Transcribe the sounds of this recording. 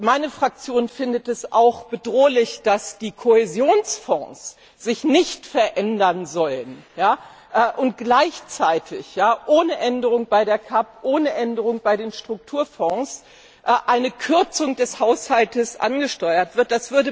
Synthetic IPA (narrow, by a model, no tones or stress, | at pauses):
maɪnəfʁ̥ak̚t͡sjoːnfɪndətɛsaʊxb̥ədʁoːlɪçd̥asd̥iːkʰohɛzjoːnsfɔ̰̃ːs | z̥ɪçnɪçtfɛɐʔɛndɐnzɔlənjaː | ʔːʔʊnt̚ɡ̥laɪçt͡saɪtʰɪ̰çjaːʔoːnəʔɛndəʁ̞ʊŋb̥aɪdeːɐkʰapʔoːnəʔɛndəʁʊŋb̥aɪdeːnʃtʁ̥ʊk̚tʰuːɐfɔ̃ːs | ʔʔaɪnəkʰʏɐt͡sʊŋd̥ɛshaʊshaltəsʔa̰nɡəʃtɔʏɐtv̥ɪɐt̚d̥asv̥ʏɐdə